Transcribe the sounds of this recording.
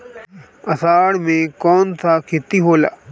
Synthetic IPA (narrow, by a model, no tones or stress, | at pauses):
ɐsaːɽmẽkɔːnsakʰɪt̪iɦoːla̰ː